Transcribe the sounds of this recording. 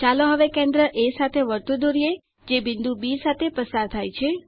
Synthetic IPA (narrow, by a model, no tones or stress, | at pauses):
t͡ʃaloɦəʋekẽnd̪ɾəʔesat̪ʰeʋəɾt̪ud̪oɾie | d͡ʒebɪ̃nd̪ubisat̪ʰepəsaɾt̪ʰajt͡ʃʰe